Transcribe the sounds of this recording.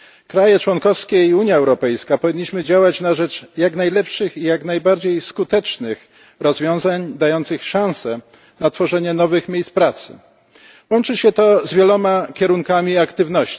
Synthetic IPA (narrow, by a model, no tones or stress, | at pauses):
kɾajɛt͡ʂwɔnkɔfskʲɛiuɲjaɛwɾɔpɛjskapɔvʲiɲːiɕmɘd͡ʑawat͡ɕnaʐɛt͡ʂjaknajlɛpʂɘxijaknajbaɾd͡ʑejskut̪ɛt͡ʂnɘx | ɾɔzvʲjɔ̃w̃zaɲd̪ajɔnt̪sɘxʂãw̃sɛ | nat̪fɔʐɛɲɛnɔvɘxmʲjejspɾat̪sɘ̥̰ | wɔnt͡ʂɘɕɛt̪ɔzvʲjɛlɔmakʲɛɾuŋkamʲiakt̪ɘvnɔɕt͡ɕi